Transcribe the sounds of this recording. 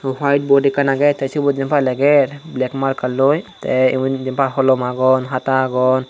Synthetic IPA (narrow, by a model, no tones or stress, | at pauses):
wajʈ̚bɔɖikanaɡɛt̪esibɔt̪̚d͡ʒɛmpʰalɛɡɛɾblɛkmaɾkalːɔjt̪ɛimd͡ʒɛmpʰaɦɔlɔmaɡɔnɦat̪aɡɔn